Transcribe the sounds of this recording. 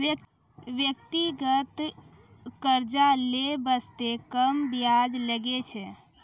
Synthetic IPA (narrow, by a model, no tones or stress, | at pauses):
ʋjək̚t̪iɡət̪ | kəɾd͡ʒalebəst̪ekəmbjad͡ʒləɡet͡ʃʰɛ